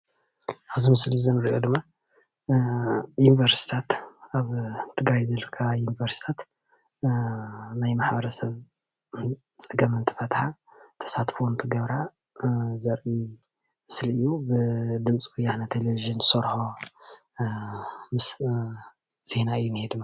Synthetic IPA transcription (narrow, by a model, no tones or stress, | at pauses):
ʔaβzimɨslizɐnɨɾiʔod̪ɨmːa | junivɐɾsi̥t̪ʰat̪aβt̪ʰɨɡɾajzɐlkʰajunivɐɾsi̥t̪ʰat̪ | najmaħbɐɾɐsɐβ | t͡sʼɨɡɐmɨnt̪ʰɨ̥fɐt̪ħa | t̪ʰɐ̥sat̪font̪ʰɨɡɐβɾa | zɐɾʔi | mɨsliɨjːubɨd̪ɨmt͡sʼiwujːanat̪ʰeleviʒɨnzɨsoɾħo | mɨs | z̥e̞naɨjːunhed̪ɨmːa